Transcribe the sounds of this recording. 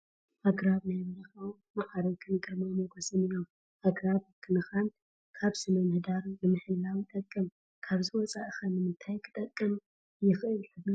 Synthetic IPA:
ʔaɡɾaβnajβɐɾɐxaw | maʔad̪okʰɨnkʼɨɾmamoɡosɨnijom | ʔaɡɾaβkʰɨnɨxan | kʰaβsɨmɐmɨhd̪aɾnɨmɨħɨlːawit̪ʼɐkʼːɨm | kʰaβzɨwɔt͡sʼaʔɨxɐnɨmɨnt̪ʰajkʰɨ̥t̪ʼɐkʼːɨm | jɪxʔɨlħɨbːu

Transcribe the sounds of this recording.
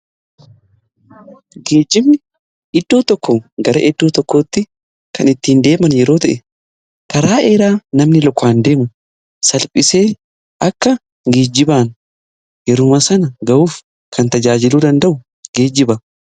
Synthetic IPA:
ɡe̞ːd͡ʒːɪmnɪ | ʔɪd̪ːoːt̪ɔkːɔɡɐɾɐʔɛd̪ːoːt̪ɔkːo̞ːt̪ːɪ | kʰɐnɪt̪ːiːnd̪e̞ːmɐnjɛɾo̞ːt̪ɐʔɛ | kʰɐɾaːʔeːɾaːnɐmnɪlɔkːaːnd̪e̞ːmʊ | sɐlpʼɪse̞ː | ʔɐkːɐ | ɡeːd͡ʒːɪbaːn | jɛɾʊmɐsɐnɐɡɐʔuːf | kʰɐnt̪ɐd͡ʒaːd͡ʒɪluːd̪ɐnd̪ɐʔʊ | ɡ̥eːd͡ʒːɪbɐ

